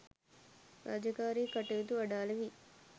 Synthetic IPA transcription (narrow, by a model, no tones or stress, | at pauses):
ɾa̰d͡ʒɐkaːɾikɐʈːɐɡɐt̪uɐɽaːlɐʋi